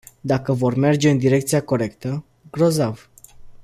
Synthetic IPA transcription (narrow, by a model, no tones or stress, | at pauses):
d̪akəvo̞rme̞rd͡ʒe̞ɨnd̪iɾe̞k̚t̪sijako̞ɾe̞kt̪ə | ɡɾo̞zav